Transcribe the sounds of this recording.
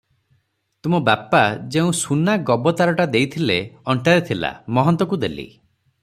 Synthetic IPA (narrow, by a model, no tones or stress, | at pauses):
t̪umɔbapad͡ʒeũsunaɡɔbɔt̪aɾɔʈad̪ejt̪ʰileɔɳʈaɾet̪ʰila̰mɔɦɔnt̪ɔkud̪elḭ